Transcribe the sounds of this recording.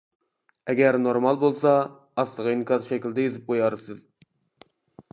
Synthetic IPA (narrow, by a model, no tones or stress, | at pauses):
ɛɡʲɛɾnoɾmɑlˠbolˠsɑ | ɑslˠəʁɑinkʲʰɑt̪ʃɛkʲild̪ɛjyzɪp̚qʰojɑɾɨsɨz